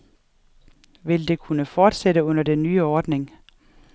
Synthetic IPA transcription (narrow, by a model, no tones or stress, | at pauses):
ʋe̝ld̥e̝kʰunəfɒːd̥seɾəɔ̽n̰ɐd̥enːyːəɒːd̥ne̝ŋ